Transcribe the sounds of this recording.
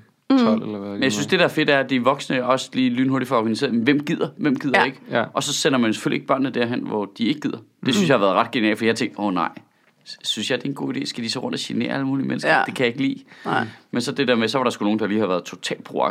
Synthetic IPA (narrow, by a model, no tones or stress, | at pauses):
t͡sʰɒl̰elɐenjaɪsynsd̥e̝ɾ̥ɑ̈æɐfe̝d̥æɐd̥iʋɒ̽ɡ̥snəɒ̽sliːlyːnho̝ɐdifɒɑɒɡ̥ænise̝̰ːɐmenʋem̰ɡ̥ið̰ˠɐʋem̰ɡ̥ið̰ˠdeeɡ̥əʔɒ̽sɒ̽sen̰ɐmænse̥fø̰l̰ie̝ɡ̥̚b̥ɶɐ̰nːəd̥æɐ̰ɦenʋɒd̥ie̝ɡ̥əɡ̥ið̰ˠɐd̥e̝synsjɑhɑ̈ʋæɐðˠʁɑ̈d̥̚ɡ̥e̝niɛ̰lfɒdiɑhɑ̈t͡sʰeŋ̰̥̚d̥ɔnɑ̰̈ɪ̰ | synsjɑ̈ɪd̥e̝enɡo̝̰ːide̝̰ːsɡ̥æd̥isɒʁɔ̽n̰d̥æɕene̝̰ːɐæləmuːlimensɡɐ̥e̝kʰæjɑ̈e̝ɡ̥lḭː | mensɒ̽d̥e̝d̥ḛɐ̰mesɒ̽ʋɑ̈ɾɑ̈sɡ̥uno̝ːŋn̩d̥ɑliːhɑ̈ʋæːɐð̞̩ˠt͡sʰo̝t͡sʰɛ̰ːl̥pʰʁo̝ɑ̈